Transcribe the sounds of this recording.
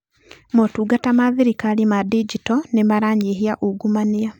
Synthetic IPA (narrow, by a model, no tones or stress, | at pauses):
motuːɡatamaðiɾikalimadid͡ʒitɔnemaɾaɲeɦiaʔuɡumania